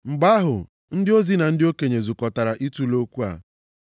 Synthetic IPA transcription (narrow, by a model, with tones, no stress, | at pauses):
ŋ͡m̩˨ɡ͡ba˦ɦʊ̰˨ | n̩˦dɪ˦o˦zi˦na˨n̩˦dɪ˦o˦ke˨ɲe˨zu˨kɔ˨ta˨ɾa˨ʔi˦tu˦lo˦kʷu˦a̰˨